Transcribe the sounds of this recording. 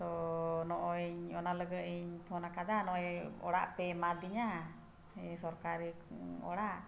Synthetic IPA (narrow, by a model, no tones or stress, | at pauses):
t̪ɔnɔʔɔiɲɔnaləɡəiɲt̪ʰɔnakad̪anɔɛɔ̰ɽaʔpɛmad̪iɲa | sɔɾkaɾiɔ̰ɽaʔ